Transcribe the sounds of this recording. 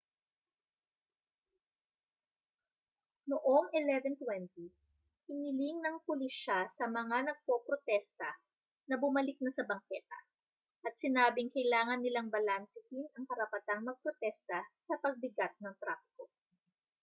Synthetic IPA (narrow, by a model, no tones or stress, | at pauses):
noʔoŋɛlɛvɛnt̪wɛnt̪i | hɪnɪlɪŋnɐŋpʊlɪsʃasɐmɐŋanɐɡ̚popɾot̪ɛst̪ɐ | nɐbʊmɐlɪk̚nɐsɐbɐŋkɛt̪ɐ̰ | ʔɐt̪̚sɪnaːbɪŋkɐjlaːŋɐnːɪlaŋbɐlansɪhɪnɐŋkɐɾɐpɐt̪aŋmɐɡ̚pɾot̪ɛst̪ɐsɐpɐɡ̚bɪɡat̪̚nɐŋt̪ɾaːfɪ̥ko̞